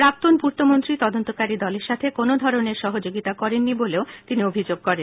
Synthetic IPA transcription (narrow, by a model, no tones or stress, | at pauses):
pɾak̚t̪onpuɾt̪ʰomont̪ɾit̪ɔd̪ont̪okaɾid̪ɔleɾʃat̪ʰekonod̪ʱɔɾoneɾʃɔɦod͡ʑoɡit̪akɔɾenːiboleot̪iniobʱid͡ʑoɡ̚kɔɾen